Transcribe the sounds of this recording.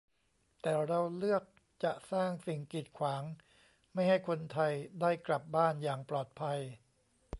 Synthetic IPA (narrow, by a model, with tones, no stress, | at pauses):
t̪ɛː˨˩ɾa˧wlɯ˥˩ək̚ | t͡ɕa˨˩ʔsaː˥˩ŋsi˨˩ŋki˨˩t̪̚kʰwaː˩˦ŋ | ma˥˩jɦa˥˩jkʰo˧nt̪ʰa˧jdaː˥˩jkla˨˩p̚baː˥˩njaː˨˩ŋplɔː˨˩t̪̚pʰa˧j